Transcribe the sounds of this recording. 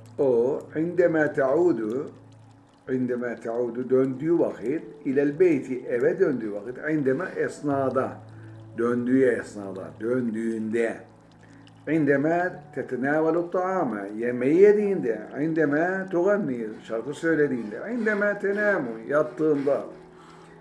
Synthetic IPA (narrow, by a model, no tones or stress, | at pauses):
oʕɪnd̪æmæːt̪ʰaʕuːd̪u | ʕind̪ɛmæːt̪ʰaʕuːd̪ud̪ønd̪yːwɑqʰɯt̪ilælbejt̪ʰiʔɛvɛd̪ønd̪yːʋɑqɯt̪ʕind̪ɛmæʔɛsnɑːd̪ɑd̪ønd̪yːjɛɛsnɑːd̪ɑ̰d̪ønd̪yːnd̪ɛ | ʕɪnd̪ɛmæːt̪ʰæt̪ɛnaːwalut̪ˤːɑʕɑːma̰jɛmɛjːɛd̪iːnd̪ɛ̰ʕɪnd̪æmæːt̪uɣanːiːʃɑɾt̪ɯsøjled̪iːnd̪ɛ̰ʕɪnd̪æmæːt̪ʰɛnaːmujɑt̪ːɯːnd̪ɑ